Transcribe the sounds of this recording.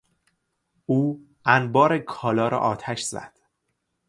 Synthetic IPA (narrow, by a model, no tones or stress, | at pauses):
ʔuː | ænbɒːɾekʰɒːlɒːɾɒ̰ːʔɒːt̪ʰæʃz̥æ̰d̪̥